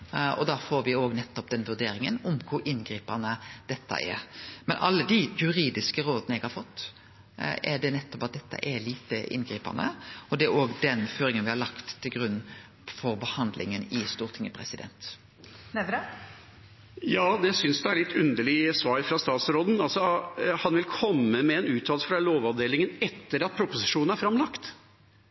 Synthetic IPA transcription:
ɔ̰d̪ɑːfoːɾʋɪoːɡnɛt̪ːɔpd̪ɛnʋʉɾd̪eːɾɪŋənʊmkʰʊɾʔɪnɡɾiːpənəd̪̥ɛt̪ʰːə̰ʔɛ̰ɾmɛnʔɑ̰lːəd̪ɪjʉɾiːd̪ɪskəɾoːd̪ənəɛɡhɑɾfɔt̪ː | ʔɛɖɛnɛt̪ːɔpɑt̪̚d̪ɛt̪ːə̰ʔɛliːt̪əʔɪ̰nɡɾiːpə̰nə̰ɔd̪ɛæɾoːɡd̪ɛnføːɾɪŋənʋɪhɑɾlɑkt̪ʰːɪlɡɾʉnː | fɔɾbəhɑnd̪lɪ̰ŋənɪst̪uːʁt̪ʰɪŋːəpʰɾɛsɪd̪ɛ̰nt̪ | nɛʋɾɑ | jɑːd̪ɛsʏnsd̪ɛæɭɪt̪ʰːʉnd̪əɭɪsʋɑːɾfɾɑst̪ɑːt̪sɾoːd̪n̩ɑlsɔhɑnʋɪlkʰɔmːəmɛːnʉːt̪ʰːɑːlsəfɾɑloːʋɑʋd̪eːlɪŋənɛt̪ːəɾɑt̪̚pʰɾʊpʊsɪʂuːnnæɾfɾɑmlɑkt̪

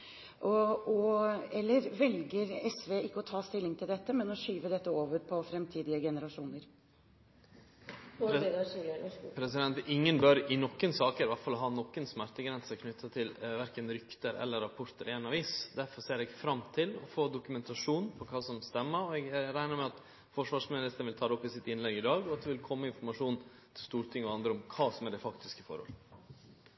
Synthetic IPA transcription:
ʔɔɔɛlːəɾʋɛlɡəɾɛsʋeːɪkːəɔt̪ʰɑːst̪ɪlːɪŋt̪ʰɪld̪ɛt̪ːəmɛnɔɕyːʋəd̪ɛt̪ːəoːʋəɾpʰɔfɾɛmt̪ʰiːd̪ɪəɡɛnəɾɑʂuːnəɾ | pʰɾɛsɪd̪ɛnt̪ɪŋːənbœɾɪnɔkːənsɑːkəɾʋæʈfɑlɦɑːnɔkːənsmæɾt̪əɡɾɛnsəɾkʰnʏt̪ʰːɑt̪ʰɪlʋæɾkənɾʏkt̪əɾɛ̰lːəɾːɑpʰɔɾt̪əɾeːnɑʋiːsd̪æɾfɔseːɾɛɡfɾɑmt̪ʰɪlɔfoːd̪ʊkʉmɛnt̪ɑʂuːnpʰɔkʰɑːsɔmst̪ɛmːəɾɔɛɡæɾæɪnəɾmɛɑt̪ | fɔʂʋɑːʂmɪnɪst̪ənʋɪlt̪ʰɑːd̪ɛɔpːɪsɪt̪ɪnlɛɡɪd̪ɑːɡɔɑt̪̚d̪ɛʋɪlkʰɔmːəɪnfɔɾmɑʂuːn | t̪st̪uːɾt̪ʰɪŋːɔɑnd̪ɾəɔmkʰɑːsɔmæɖɛfɑkt̪ɪskəfɔ̰ɾhɔ̰lː

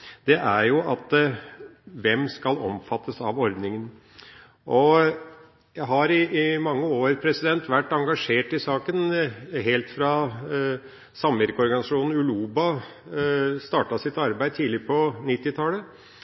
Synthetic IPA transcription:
d̪̥ɛʔæɾjʊʔɑt̪ | ʋɛmskɑlɔmfɑt̪ːəsɑʋɔɾd̪nɪŋən | ʔɔ | jæɦɑɾɪmɑŋːəoːɾpʰɾɛsɪd̪ɛnt̪ʋæʈːɑŋɡɑʂeːʈɪsɑːkənɦɛlt̪fɾɑ | sɑmʋæɾkəɔɾɡɑnɪsɑʂuːnn̩ʉluːbɑ | st̪ɑːʈɑsɪt̪ɑɾbæɪd̪̚t̪ʰiːlɪpʰɔnɪt̪ːɪt̪ʰɑːlə

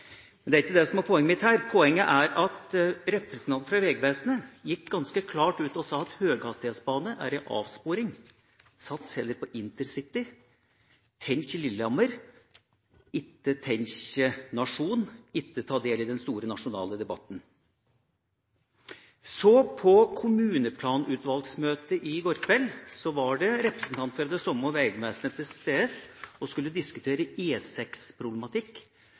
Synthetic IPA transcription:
mɛnd̪æɾɪkːəd̪ɛsɔmæɾpʰɔɛŋːəmɪt̪hæːɾpʰɔɛŋːəʔæɾɑt̪ɾɛpɾəsnt̪ɑnfɾɑʋɛːɡəʋeːsnəjɪkːɡɑnskəkʰlɑːʈʉːt̪ɔsɑːɑt̪høːɡhɑst̪eːt̪sbɑːnəʔæ̰ɾɛʔɑ̰ːʋspoːɾɪŋ | sɑt̪shɛlːəɾpʰɔʔɪnt̪əɾsɪt̪ːɪ | t̪ʰɛnçɪlɪlːɑməɾ | ɪt̪ːət̪ʰɛnɕnɑʂuːnɪt̪ːət̪ʰɑːd̪eːlɪd̪ɛnst̪uːɾənɑʂʊnɑ̰ːləd̪ɛbɑt̪ːn̩ | sɔpʰɔkʰʊmʉːnəpʰlɑːnʉːt̪ʋɑlɡ̪smøːt̪əʔɪɡɔɾkʰʋɛlsɔʋɑɖɛɾɛpɾəsən̩t̪ʰɑnt̪fɔɾɑd̪ɛsɔmːɔʋæɪɡmɛsənət̪ʰɪst̪eːɛsɔskʉlːəd̪ɪskʉt̪ʰeːɾəeːsɛkspʰɾʊblɛmɑt̪ʰɪkː

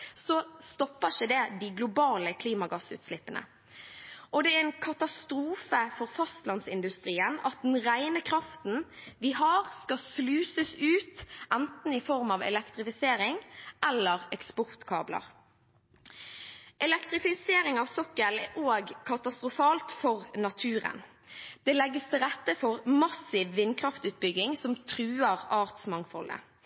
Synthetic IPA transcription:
sɔst̪ɔpːəʃəd̪ɛd̪ɪɡlʊbɑːləkʰliːmɑɡɑsʉ̰ːt̪slɪpːənə̰ | ʔɔd̪ɛæʁɛnkʰɑt̪ɑst̪ɾuːfəfɔʁfɑst̪lɑnsɪnd̪ʉst̪ʁiːənɑt̪̚d̪n̩ʁæɪnəkʰɾɑft̪n̩ʋɪɦɑːʁskɑslʉːsəsʉːt̪ʔænt̪n̩ɪfɔʁmɑʋɛ̰lɛkt̪ʁɪfɪseːɾɪŋʔɛlːəʁɛkspɔʁt̪kʰɑːblə̰ʁ | ʔɛlɛkt̪ʁɪfɪseːɾɪŋɑʋsɔkːəlʔoːɡkʰɑt̪ɑst̪ʁʊfɑːlt̪fɔʁnɑt̪ʰʉːʁə̰n | d̪̥ɛːlɛɡːəst̪ʰɪlɾʁɛt̪ːəfɔʁmɑsɪʋːɪnkʰʁɑft̪ʉːt̪̚bʏɡːɪŋsɔmt̪ʰɾʉːəʁɑːʁt̪smɑŋfɔlə̰

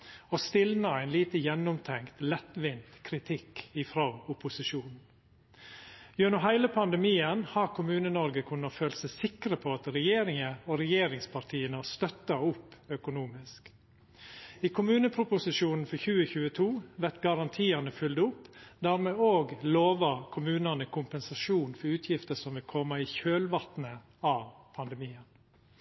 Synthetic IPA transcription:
oːst̪ɪlnəæɪnliːt̪əjɛnːʊmt̪ʰɛŋkt̪lɛt̪ːʋɪnt̪kʰɾɪt̪ʰɪkɪfɾoːʊpʊsɪʃuːnn̩ | jʉnɔɦæɪləpʰɑnd̪əɛmiːənhɑɾkʰʊmʉːnənɔɾɡəkʰʉnːɑføːlsæɪsɪkɾəpʰoːɑt̪ɾɛjeːɾɪŋəoːɾɛjeːɾɪŋspʰɑɾt̪ʰiːənəɑst̪œt̪ːɑʊpːœkʊnuːmɪsk | iːkʰʊmʉːnəpʰɾʊpʊsɪʂuːnn̩fɔçʉːəçʉːət̪ʰuːʋæt̪ɡɑɾɑnt̪ʰiːɑnəfʏld̪ʊpːd̪æːɾmɛoːɡloːʋɑkʰʊmʉːnənəkʰʊmpɛnsɑʂuːnfɔɾʉːt̪ʰjɪft̪əsɔmʋɪlkʰɔmːəiçøːlʋɑt̪nə | ɑʋpʰɑnd̪ɛmiːən

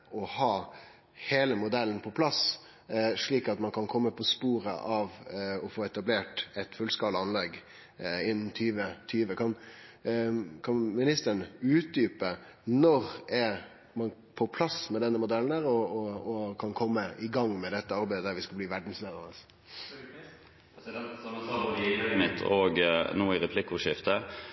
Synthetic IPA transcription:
ɔhɑː | heːləmʊd̪ɛlːənpʰɔpʰlɑs | ʂɭiːkɑt̪mɑnkʰɑnkʰɔmːəpʰɔspuːɾə̰ʔɑʋɔfoːɛt̪ɑbleːʈɛt̪fʉlskɑːləɑnlɛɡ | ɪnːn̩t̪ʰyːʋət̪ʰyːʋəkʰɑn | kʰɑnmɪnɪst̪əɳʉːt̪̚d̪yːpə | nɔɾɛɾ | mɑn | pʰɔpʰlɑsmɛd̪ɛnːəmʊd̪ɛlːnæːɾɔɔɔkʰɑnkʰɔmːəʔɪɡɑŋːmɛd̪ɛt̪ːəɑɾbæɪd̪əd̪æɾʋɪskɑbliːʋæɖɳ̩sleːd̪əɾəs | mɪt̪ʰɔɡnuːɪɾɛpʰlɪkːʊʂɪft̪ə

